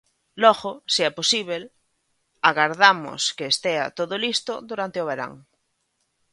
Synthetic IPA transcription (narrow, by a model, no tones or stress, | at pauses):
lɔɣosiɛposiβ̞el | aɣaɾðamo̰skeːst̪ea̰t̪oðolist̪oðuɾant̪eoβ̞eɾa̰ŋ